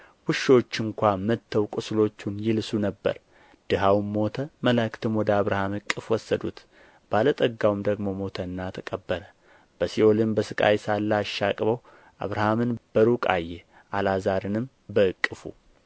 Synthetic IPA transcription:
wɨʃːo̞t͡ʃːɨŋkʷamət̪ʰːəwkʼɨslo̞t͡ʃːunjɪlsunəbːə̰ɾ | d̪̥ɨɦawmo̞t̪ʰəməlakt̪ʰɨmwɔd̪əaβɾahamɨkʼːɨfwɔsːəd̪ṵt̪ | b̥alət̪ʼəɡːawmd̪əɡmo̞mo̞t̪ʰəɨnːat̪ʰəkʼəbːəɾə | b̥əsiʔo̞lɨmbəsɨkʼa̰jsalːaʃːakʼβəw | ʔa̰βɾahamɨnb̥əɾukʼa̰jːɛ | ʔalazaɾɨnɨm | bəɨkʼːɨfṵ

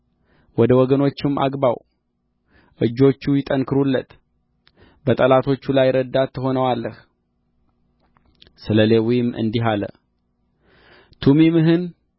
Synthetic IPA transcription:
wɔd̪əwɔɡəno̞t͡ʃːɪmːʔa̰ɡbaw | ʔɨd͡ʒːo̞t͡ʃːujɪt̪ʼənkʰɨɾulːət̪ | bət̪ʼəlat̪ʰo̞t͡ʃːulajːɾəd̪ːat̪ʰːəɦo̞nəwalːəh | sɨləlewijɪmːɨ̰nd̪iɦalə̰ | t̪ʰumimɨɦɨn

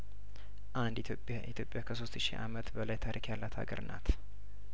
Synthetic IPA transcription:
ʔand̪opʼʔḭt̪ʰjo̞pʼːjakʰəso̞st̪ʃḭʔamət̪bəlajt̪ʰaɾʔikjalːat̪ʰa̰ɡəɾɨnʔa̰t̪

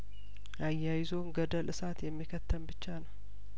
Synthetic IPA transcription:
ʔajːajɪzonɡəd̪əlʔɨsat̪jɛmːikʰət̪ʰːəmbɨt͡ʃːanəw

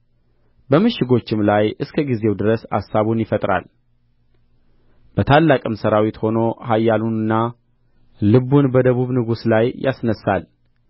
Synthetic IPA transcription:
bəmɨʃɪɡo̞t͡ʃːɪmlajʔɨskʰəɡize̞wd̪ɨɾəsa̰sːaβunjɪfət̪ʼɾa̰l | b̥ət̪ʰalːakʼɨmsəɾawit̪ho̞no̞hajːalunɨnːa | lɨβunbəd̪əβuβnɨɡuslajjʔasnəsːal

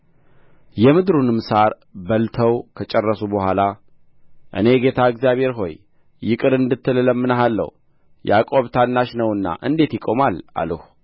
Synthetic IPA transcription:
jɛmɨd̪ɾunɨmsaɾ | bəlt̪ʰəwkʰət͡ʃʼɛrːəsubəhʷala | ʔɨ̰ne̞ɡe̞t̪ʰaɨkzijaβhe̞ɾɦo̞̰jː | ɪkʼɨɾɨnd̪ɨt̪ʰːɨlɨləmːɨnəɦalːə̰h | ja̰kʼo̞βt̪ʰanːaʃnəwɨnːa̰ʔɨnd̪e̞t̪jɪkʼo̞mala̰ləh

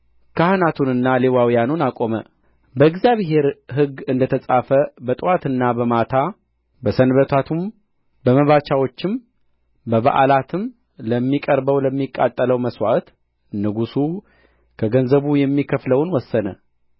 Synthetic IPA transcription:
kʰahɨnat̪ʰunɨnːalewawijanunakʼo̞mə | bəɨɡzijaβɦe̞ɾɦɨɡːɨnd̪ət̪ʰəsʼafəbət̪ʼɨwat̪ɨnːabəmat̪ʰa | bəsənβət̪ʰat̪ʰum | bəməβat͡ʃawo̞t͡ʃːɪm | bəβa̰ʔalat̪ʰɨm | ləmːikʼəɾbəwləmːikʼːat̪ʼːələwməswa̰t̪ | nɨɡusu | kʰəɡənzəβujɛmːikʰəfləwnwɔsːənə

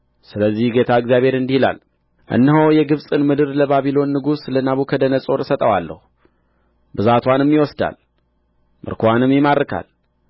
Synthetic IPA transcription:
sɨləzːihɡe̞t̪ʰaɨɡzjaβʱhe̞ɾɨnd̪ihila̰l | ʔɨ̰nːəɦəwjɛɡɨβsʼɨnmɨd̪ɨɾləbaβilo̞nːɨɡuslənaβukʰəd̪ənəsʼo̞ɾsət̪ʼəwalːə̰hu | bɨzat̪ʰwanɛmːiwɔsd̪a̰l | mʔɨ̰ɾkʰoanɨmːjɛmaɾːɨkʰa̰l

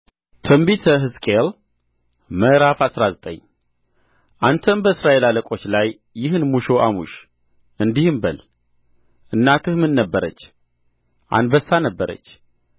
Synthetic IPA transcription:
t̪ʰəmbit̪ʰəɦɨskʼel | məɾafasɾazət̪ʼə̰ɲː | ʔant̪ʰənbəɨsɾaʔelaləkʼo̞t͡ʃːlajː | ɪɦɨnmuʃoʔamuʃ | ʔɨnd̪ihɨmbəl | ʔɨnːat̪ʰɨhmɨnːəbːəɾət͡ʃː | ʔa̰nbəsːanəbːəɾə̰t͡ʃː

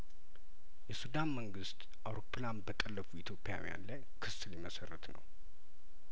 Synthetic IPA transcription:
jɛsud̪anməŋɡɨst̪ | ʔawɾo̞pʰːlanbət̪ʼəlːəfuit̪ʰjo̞pʼija̰wḭja̰nlaj | kʰɨsɨliməsərːət̪nə̰w

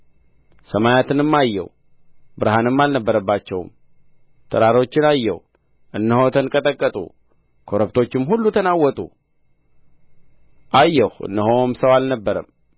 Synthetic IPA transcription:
səmajat̪ʰɨnɨmːajːɛ̰w | bɨɾɦanɨmːalnəbːəɾəbːat͡ʃːɛwm | t̪ʰəɾaɾo̞t͡ʃːɪnajːɛ̰w | ʔɨnːəho̞t̪ʰənkʼət̪ʼəkʼːət̪ʼṵ | kʰo̞ɾəbt̪ʰo̞t͡ʃːɪmhulːut̪ʰənawɔt̪ʼṵ | ʔajːɛhɨ̰nːəɦomsəwalnəbːəɾə̰m

